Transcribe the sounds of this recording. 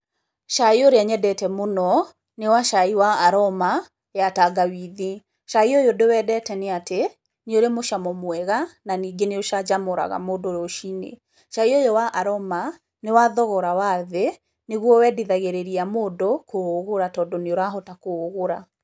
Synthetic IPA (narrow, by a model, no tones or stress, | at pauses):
ʃaioɾeaɲɛdɛtɛmonɔ | newaʃaiwaːɾɔma | jataɡawiði | ʃaiojodewɛdɛtɛneate | neoɾemoʃamɔmwɛɣananiːɡeneoʃad͡ʒamoɾa̰ɣa̰moːdoɾoʃinḛ | ʃaiojowaʔaɾɔma | newaðɔɣɔɾawaðe | neɣwɔwɛdiðaɣeɾeɾiamoːdokooɣoɾatɔːdɔneoɾaɦɔtakooɣoɾa